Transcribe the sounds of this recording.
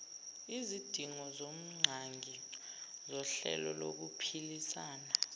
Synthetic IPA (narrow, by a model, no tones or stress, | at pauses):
izid̥ʱiŋɔzom̩ŋ͡ǀʱaŋi | zɔɬɛ̰lɔlo̰k̬upʰilisaːna